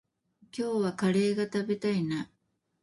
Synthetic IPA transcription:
kʲo̞ːβakaɾe̞ːɡat̪abe̞t̪aina

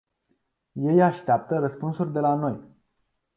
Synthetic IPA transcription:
je̞jaʃt̪eap̚t̪əɾəspunsurʲd̪e̞lano̞j

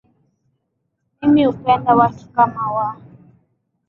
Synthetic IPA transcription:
mimiupɛndawatʰu̥kamawa

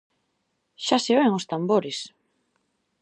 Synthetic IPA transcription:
ʃaseβeŋost̪amboɾɪs

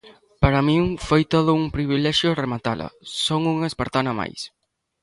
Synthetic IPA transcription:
paɾɐmĩŋfojt̪oðʊuŋpɾiβilɛʃjoremat̪alɐ̰soŋuŋespeɾt̪anama̰js

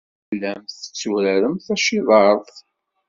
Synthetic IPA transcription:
lːæmθə̥t͡sːuɾæɾəmθæʃiðˤɑɾˤðˤ

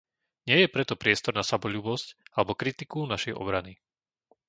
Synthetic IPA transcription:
ɲɪɛjɛpɾɛt̪ɔpɾɪɛst̪ɔɾnasabɔʎuːbɔscalɛbɔkɾit̪ikunaʃɛjʔɔ̰bɾani

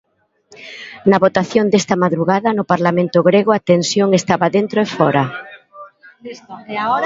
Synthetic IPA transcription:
nɐβot̪aθjond̪est̪ɐmaðɾuɣaðɐnʊpaɾlamẽnt̪ʊɣɾeɣoat̪ensjoŋest̪aβaðent̪ɾoefɔɾɐ

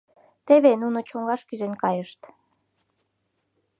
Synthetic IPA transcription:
t̪eβenunot͡ɕoŋɡɑʃkyʒenkɑjəʃt̪

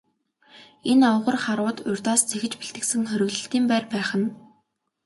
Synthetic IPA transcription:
enawə̆ʁə̆rχaɾʊːt̪ʊrʲt̪aːst͡sʰexɘ̆t͡ɕpiɬt̪ɘ̆ksɘ̆ŋχœɾʲɵ̆ɣɮɵ̆ɬt̪iːmpæːrpæːχə̆n

